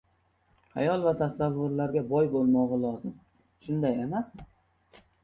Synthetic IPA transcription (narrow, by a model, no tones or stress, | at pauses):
a̰jɒlˠvat̪ʰasavːʊɾlaɾɡʲabɒjbolˠmɒʁɑlˠɒzɪm | ʃʊnd̪ajemas